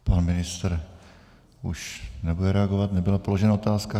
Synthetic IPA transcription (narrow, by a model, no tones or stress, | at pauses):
panmɪnɪst̪ɾ | ʔuʃnɛbudɛɾɛaɡo̞vat̪nɛbɪlapo̞lo̞ʒɛnao̞t̪aːska